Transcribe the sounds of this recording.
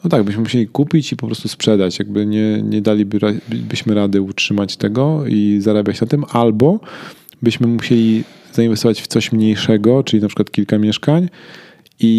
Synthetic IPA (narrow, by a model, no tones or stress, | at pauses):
nɔt̪aɡbɘɕmɘmuɕelʲikupʲit͡ɕipɔpɾɔst̪uspʂɛd̪at͡ɕjaɡ̚bɘɲɛɲɛd̪alʲibɾabɘɕmɘɾad̪ɘutʂɘmat͡ɕt̪ɛɡɔizaɾabʲjat͡ɕnat̪ɘmalbɔ | bɘɕmɘmuɕelʲi | z̥ainvɛst̪ɔvat͡ɕft̪sɔɕmɲejʂɛɡɔt͡ʂɘlʲinapʂɘ̥kwat̪̚kʲilkamʲjɛʂkaɲ | i